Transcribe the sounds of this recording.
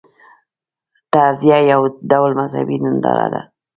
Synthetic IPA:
t̪azjajawd̪awlmazha̰binənd̪ɑ̰ɾa̰d̪a

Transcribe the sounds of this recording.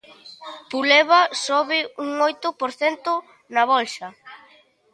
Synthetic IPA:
pulɛβasoβɪuŋojt̪ʊpoɾθɛnt̪ʊ | nɐβɔlʃɐ

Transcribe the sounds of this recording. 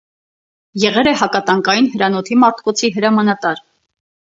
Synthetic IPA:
jɛʁɛlɛhɑkɑt̪ɑŋkɑjinhəɾɑnɔt̪ʰimɑɾt̪ʰkɔt͡sʰiɦəɾɑmɑnɑt̪ɑɾ

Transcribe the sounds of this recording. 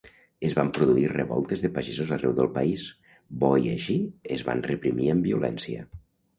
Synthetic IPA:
əzβampɾuðuirəβɔ̰lˠt̪ezðəpaʒezozarɛwðə̰lˠpais | bɔjə̰ʃiezβa̰nrəpɾimiəmbiulʔɛ̰nsiə̰

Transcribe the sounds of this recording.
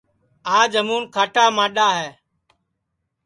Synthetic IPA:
aːd͡ʒɦəmuːnkʰaːʈʰaːmãːɗaːɦɛː

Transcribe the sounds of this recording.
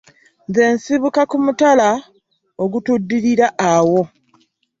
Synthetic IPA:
nze̞ːnsiβukakumutala | o̞ɡutudːiɾiɾaʔːwo̞

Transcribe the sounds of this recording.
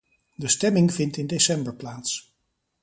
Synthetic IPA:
dəstɛmɪŋvɪntɪndesɛmbəɹplaːts

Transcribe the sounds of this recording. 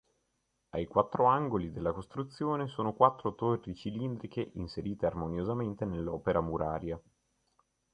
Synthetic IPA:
ajkwat̪ːɾoaŋɡolid̪elːakost̪ɾut̪sːjoːnesoːnokwat̪ːɾot̪orːit͡ʃilind̪ɾikeʔinseɾiːt̪earmonjozament̪enelːɔːpeɾʔamuɾʔaːɾja

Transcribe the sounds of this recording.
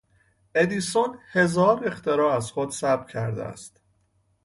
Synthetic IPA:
ʔe̞d̪iːsonhe̞zɒːɾext̪eɾɒːæzχod̪sæbcʰæ̰ɾd̪ḛæ̰st̪

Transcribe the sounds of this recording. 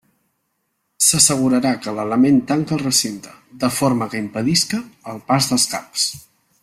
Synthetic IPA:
səsəɣ̞uɾəɾakələləment̪aŋkəlˠrəsint̪ə̥d̪əfoɾməkəimpəðiskəːlˠpazðəlˠskaps

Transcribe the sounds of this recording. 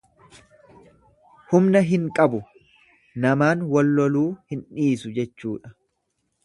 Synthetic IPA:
hʊmnɐɦɪŋkʼɐbʊ | nɐmaːnwɐlːɔluːhɪnᶑiːsʊd͡ʒɛt͡ʃːuːᶑɐ

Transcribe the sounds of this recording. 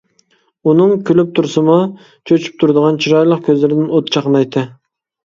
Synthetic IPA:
unɨŋkʲʰylyp̚t̪ʰuɾsɨmɑ | t͡ʃʰøt͡ʃʰy̥p̚t̪ʰuɾd̪əʁɑnt͡ʃʰiɾɑjlˠəqkʲøzlɪɾɪd̪ɪnot̪t͡ʃʰɑqənɑjt̪ʰːɨ

